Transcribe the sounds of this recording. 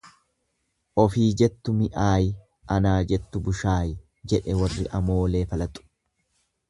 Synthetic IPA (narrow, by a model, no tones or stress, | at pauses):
ʔɔfiːd͡ʒɛt̪ːʊmɪʔaːj | ʔɐnaːd͡ʒɛt̪ːʊbʊʃaːj | d͡ʒɛᶑɛwɐrːɪʔɐmoːle̞ːfɐlɐt̪ʼːʊ̥